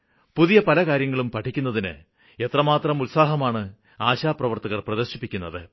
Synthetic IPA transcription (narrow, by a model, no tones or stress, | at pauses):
puðijɐpɐlɐkaːɾjɐŋːɐɭumpɐʈʰːikʲːunːɐðinɨ̰ | e̞t̪rɐmaːt̪rɐmulsaːɦɐmaːɳɨ | aːɕaːprɐʋɐrt̪ɐɣɐrprɐðɐrɕipːikʲːunːɐðɨ